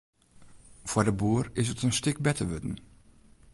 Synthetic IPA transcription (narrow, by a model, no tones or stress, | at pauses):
v̥wɔdəbuːrɪsətənstɪk̚bɛtəʋøtn̩